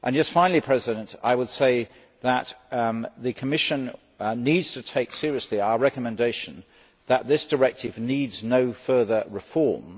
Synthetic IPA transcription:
ʔə̃nd͡ʒʌstfãɪ̃nl̩ˠipʰɹ̥ɛzɪɾə̃ntaɪwəd̥seɪ | ðət̪̚ðɨkʰəmɪʃɨ̃n | nidz̥tʰɨtʰeɪksɪɹiɨsliaʊəɹɛkəmɨ̃ndeɪʃɨ̃n̩ | ðət̪̚ðɪsd̥ə˞ɛk̚tʰɨvnidznoʊfɜ˞ðə˞ɹɨfɔɹm

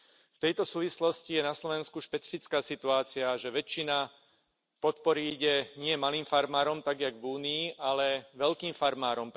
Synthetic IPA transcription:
ft̪ɛjt̪ɔsuːʋislɔscijɛnaslɔʋɛnskuʃpɛt͡si̥fit͡skaːsit̪uaːt͡siaʒɛʋɛt͡ʃːina | pɔt̪pɔɾiiɟɛɲɪɛmaliːmfaɾmaːɾɔmt̪aɡjaɡʋuːniːʔalɛʋɛlkiːmfaɾmaːɾɔmp

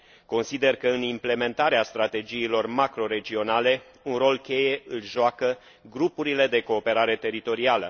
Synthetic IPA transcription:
ko̞nsid̪e̞rkəɨnimple̞me̞nt̪aɾeast̪ɾat̪e̞d͡ʒiːlo̞rmakɾo̞ɾe̞d͡ʒio̞nale̞ | unro̞lkʲe̞je̞ɨlʒoakə | ɡɾupuɾile̞d̪e̞ko̞ːpe̞ɾaɾe̞t̪e̞ɾit̪o̞ɾialə̰

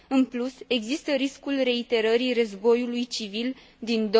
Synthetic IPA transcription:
ɨnpluse̞ɡzist̪əɾiskulre̞it̪e̞ɾəɾirəzbo̞julujt͡ʃivil | d̪ind̪o

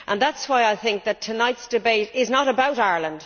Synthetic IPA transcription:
ʔə̃nðatswaɪaɪθɪ̃ŋk̚ðətʰənaɪtsd̥ɪbeɪtɪznəɾəbaʊɾaɪə˞lə̃nd̥

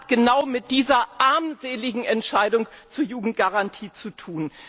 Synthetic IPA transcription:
tɡ̥ənaʊmɪt̚d̥iːzɐʔaɐmzeːlɪɡŋ̩ɛntʃaɪdʊŋt͡suːɐjuːɡŋ̩t̚ɡ̥aʁantʰiːt͡sutʰuːn

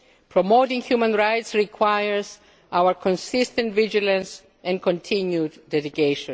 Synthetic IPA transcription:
pʰɹɔmoʊtĩŋhjumãnɹajtsɹikʰwajəɹz | ʔawəɹkʰɔ̃nsistə̃ntvid͡ʒilãns | ɛ̃nkɔ̃ntʰĩnjud̪ːɛɾiɡeʃɔ̃n

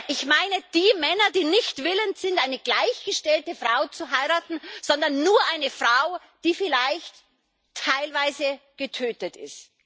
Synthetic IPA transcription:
ʔɪçmaɪnəd̥iːmɛnɐdiːnɪçtv̥ɪləntz̥ɪntʔaɪnəɡlaɪçɡ̥əʃtɛltəfʁ̥aʊt͡suɦaɪʁaːtn̩z̥ɔndɐnːuːɐʔaɪnəfʁ̥aʊ | d̥iːfɪlaɪçtʰː | aɪlvaɪzəɡ̥ətʰøːtətɪ̰st

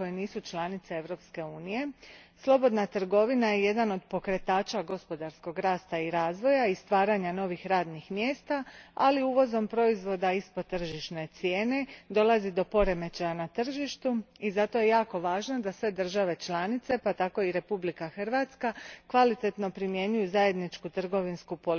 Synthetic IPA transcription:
kojeniːsut͡ʃlˠanit̪see̞ʋɾo̞pske̞uːnije̞slˠo̞bo̞d̪nat̪r̩ɡo̞ʋinajeje̞d̪ano̞d̪po̞kɾe̞t̪aːt͡ʃaɡo̞spo̞d̪aɾsko̞ɡɾaːst̪aiɾaːzʋo̞jaist̪ʋaːɾaɲano̞ʋixɾaːd̪nixmje̞ːst̪aaliuːʋo̞zo̞mpɾo̞izʋo̞d̪aispot̪ːr̩ʒiʃne̞t̪sje̞ːne̞d̪o̞lˠazid̪o̞po̞ɾe̞me̞t͡ɕajanat̪r̩ʒiʃt̪uizat̪o̞je̞jaːko̞ʋaːʒnad̪asʋe̞d̪r̩ʒaʋe̞t͡ʃlˠanit̪se̞pat̪ako̞iɾe̞publikaxr̩ʋaːt̪skakʋalit̪e̞t̪no̞pɾimje̞ɲujuzaje̞d̪nit͡ʃkut̪r̩ɡo̞ʋinskupol

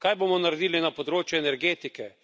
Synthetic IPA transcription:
kajboːmɔnaɾɛd̪iːlinapɔd̪ɾoːt͡ʃjuɛnɛɾɡeːt̪ikɛ

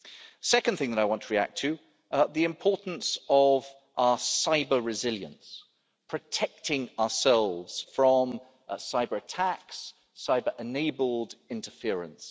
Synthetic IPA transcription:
sɛkə̃n̩θɪ̃ŋðəɾaɪwɒ̃ntʰəɹiæ̰k̚tʰɨ | ðiɪ̃mpʰɔɹʔn̩səv | ʔaəsaɪbəɹɨzɪljə̰̃ns | pʰɹ̥ɨtʰɛk̚tʰɪ̃ŋəəsɛlˠvz̥fɹə̃m | saɪbəɹətʰæksː | aɪbəɹʔɪneɪbəlˠdɪ̃ntəfɪəɹə̰̃ns

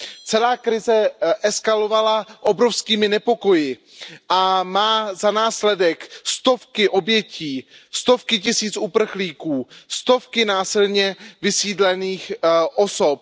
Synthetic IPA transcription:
t͡sɛlaːkɾɪzɛʔɛskalo̞valaʔobɾofskiːmɪnɛpo̞ko̞jɪ | ʔamaːzanaːslɛdɛkst̪o̞fkɪʔo̞bjɛciːst̪o̞fkɪcɪsiːt͡sʔupr̩xliːkuːst̪o̞fkɪnaːsɪlɲɛvɪsiːdlɛniːxʔoso̞p̚

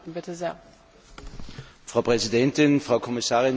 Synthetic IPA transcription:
bɪtəzeːɐ | fʁ̥aʊpʁ̥ɛzidɛntɪnfʁ̥aʊkʰɔmɪsaːʁɪn

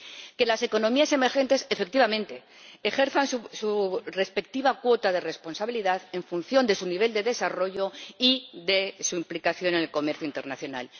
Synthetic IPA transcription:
ke̞lase̞ko̞nõ̞miase̞me̞ɾxe̞nt̪e̞se̞fe̞k̚t̪iβamẽ̞nt̪e̞ː | xe̞ɾθansusure̞spe̞k̚t̪iβakwo̞t̪aðe̞re̞spo̞nsaβiliðaðe̞ɱfun̟θjond̪e̞suniβe̞ld̪e̞ðe̞saro̞ʝo̞iðesuimplikaθjo̞nenelko̞me̞ɾθjuint̪e̞ɾnaθjo̞na̰l

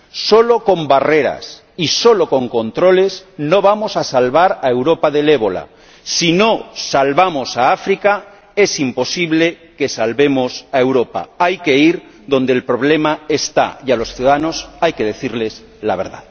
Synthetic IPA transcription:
so̞lo̞ko̞mbare̞ɾa̰s | iso̞lo̞ko̞ŋko̞nt̪ɾo̞le̞sno̞β̞amo̞sasalβaɾaewɾo̞paðe̞le̞β̞o̞la̰ | sino̞salβamo̞saafɾika | e̞simpo̞siβle̞ | ke̞salβe̞mosaewɾo̞pa̰ajke̞iɾ | ðõ̞nd̪elpɾo̞β̞le̞maest̪a̰jalo̞sθjuðaðano̞sajke̞ðe̞θiɾle̞s | laβ̞e̞ɾða̰ð

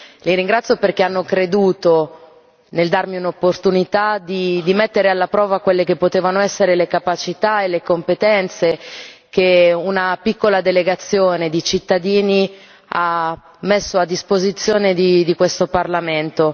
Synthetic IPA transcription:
liɾiŋɡɾat̪sːjoperkeanːokɾed̪uːt̪o | neld̪armiunopːort̪unit̪ad̪id̪imet̪ːeɾealːapɾɔːvakwelːekepːot̪eːvanoɛsːeɾelekapat͡ʃit̪aelekompet̪ɛnt̪sekeunapikːolad̪eleɡat̪sːjoːned̪it͡ʃit̪ːad̪iːni | a | mːesːoad̪ːispozit̪sːjoːned̪id̪ikwest̪oparlament̪o

